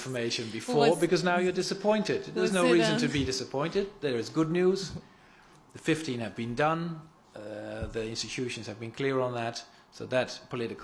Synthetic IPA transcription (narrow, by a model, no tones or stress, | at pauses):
fə˞meɪʃɨ̃nbɨfɔɹbɨkʌznaʊjə˞dɪsəpʰɔ̃ɪ̃ntɪd̚ðə˞ʌznoʊɹizɨ̃ntʰɨbidɪsɨpʰɔ̃ɪ̃ntɨd̪̚ðə˞ɨzɡʊdⁿnjuz̥ | ðɨfɪftĩnɨvbɨ̃ndʌ̃n | ðiɪ̃nstɨtʰʉʃɨ̃n̩z̥ɨvbɨ̃nkʰl̥ɪɹə̃nðət | soʊðɨt̚pʰəlɪɾɨkʰ